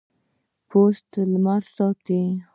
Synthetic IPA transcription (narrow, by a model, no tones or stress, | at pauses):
pʰost̪lmaɾsɑt̪i